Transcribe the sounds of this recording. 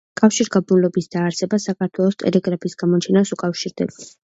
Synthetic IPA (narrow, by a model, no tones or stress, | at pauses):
kʼafʃiɾɡabunlɔbisd̪aːɾsɛbasakʰaɾt̪ʰwɛlˠɔst̪ʼɛ̰lɛɡɾapʰisɡamɔt͡ʃʰɛnasukʼafʃiɾd̪ɛ̰